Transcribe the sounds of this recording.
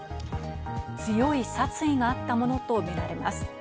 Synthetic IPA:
t͡sɨjo̞isat͡sɨiɡaːt̪ːamo̞no̞t̪o̞meɾaɾe̞ma̰sɨ̥

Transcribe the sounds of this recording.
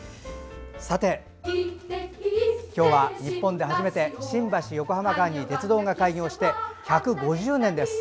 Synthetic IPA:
sat̪e̞ | kʲo̞ːβaɲ̟ippːõ̞nd̪e̞ɦaʑime̞t̪e̞ɕĩmbaɕijo̞ko̞ɦamakaɲ̟ːit̪e̞t͡sɨd̪o̞ːŋakaiɲʲo̞ːɕi̥t̪e̞çakɯ̟ɡo̞ʑɨːnẽnd̪e̞sɨ̥

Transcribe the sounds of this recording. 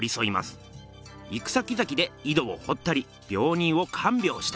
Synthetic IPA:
ɾʲiso̞ima̰sɨ̥ | ikɯ̟̥sakʲizakʲid̪e̞id̪o̞oho̞t̪ːaɾʲi | b̥ʲjo̞ːɲ̟ĩɰ̃o̞kʰãmbʲo̞ːɕi̥t̪

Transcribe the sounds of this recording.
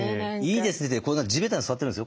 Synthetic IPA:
iːd̪esɨnet̪ːekonãkd͡ʑibet̪aɲisɨβat̪̬ːeɯnd̪sjo

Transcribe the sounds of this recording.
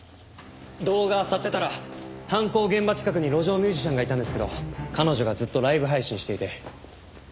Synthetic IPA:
d̪o̞ːɡasat̪ːe̞t̪aɾahãŋko̞ːɡẽ̞mbat͡ɕi̥kak̬ɯ̟ɲ̟iɾo̞ʑo̞ːmʲɨːʑiɕãŋɡait̪ãnd̪esɨ̥ke̞d̪o̞̰kano̞ʑo̞ɡazɨt̪ːo̞ɾaibɯ̟ɦaiɕĩɕi̥t̪e̞it̪e̞

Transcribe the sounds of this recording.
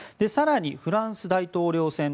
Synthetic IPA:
d̪̥e̞saɾaɲ̟iɸɯ̟ɾãɰ̃sɨd̪ait̪o̞ːɾʲo̞ːsẽ̞n

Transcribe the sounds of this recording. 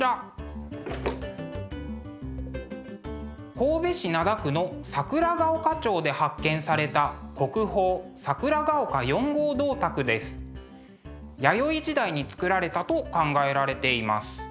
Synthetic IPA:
a | ko̞ːbe̞ɕinad̪akɯ̟no̞sakɯ̟ɾaɡaokat͡ɕo̞ːd̪e̞hakːẽ̞ɰ̃saɾe̞t̪ako̞kɯ̟ho̞ːsakɯ̟ɾaɡaokajõ̞ŋɡo̞ːd̪o̞ːt̪akɯ̟d̪e̞sɨ̥ | jajo̞id͡ʑid̪aiɲ̟it͡sɨ̥kɯ̟ɾaɾe̞t̪at̪o̞kãŋɡae̞ɾaɾe̞t̪e̞ima̰sɨ̥

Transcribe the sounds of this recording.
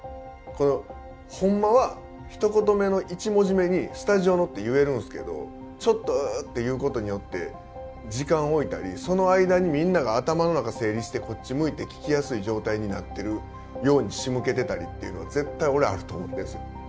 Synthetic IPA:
ko̞no̞ | hõ̞mːaβa | çi̥t̪o̞ko̞t̪̬o̞me̞no̞ʔit͡ɕimo̞ʑime̞ɲ̟isɨ̥t̪aʑio̞no̞t̪ːe̞jɯ̟e̞ɾɯ̟̃nsɨ̥ke̞̰d̪o̞̰ | t͡ɕo̞t̪ːo̞t̪ːe̞jɯ̟ːko̞t̪o̞ɲ̟ijo̞t̪ːe̞̰ | d͡ʑikãɰ̃o̞it̪a̰ɾʲiso̞no̞aid̪aɲ̟imʲĩnːaɡaːt̪amano̞nakase̞ːɾʲiɕi̥t̪eko̞t̚t͡ɕːimɯ̟it̪e̞kʲi̥kʲijasɨiʑo̞ːt̪aiɲ̟ina̰t̪ːe̞ɾɯ̟ | jo̞ːɲ̟iɕimɯ̟ke̞t̪e̞t̪aɾʲḭt̪ːe̞̰iɯ̟no̞aze̞t̪ːaio̞ɾe̞a̰ɾɯ̟t̪o̞̰ːmot̪ːesɨjo

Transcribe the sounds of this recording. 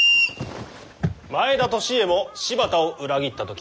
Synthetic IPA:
mae̞d̪at̪o̞ɕie̞mo̞ɕibat̪aoʔɯ̟ɾaɡʲit̪ːat̪o̞kʲ

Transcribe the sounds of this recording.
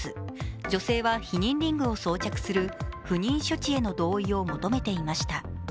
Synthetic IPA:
ɨd͡ʑo̞se̞ːβaçiɲ̟ĩnɾʲĩŋɡɯ̟o̞so̞ːt͡ɕakɯ̟̥sɨɾɯ̟ɸɯ̟ɲ̟ĩɰ̃ɕo̞t͡ɕie̞no̞d̪o̞ːio̞mo̞t̪o̞me̞t̪e̞imaɕi̥t̪a

